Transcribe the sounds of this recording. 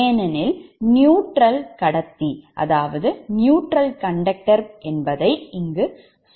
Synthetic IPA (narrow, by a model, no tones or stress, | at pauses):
nɐnɪlnjuːʈɾɐlkɐɽɐt̪ːiʔɐ̰ðaːʋɐðɯnjuːʈɾɐlkɐɳɖɐk̚ʈɐɾʔɛnbɐðɐɪɪŋɡɯ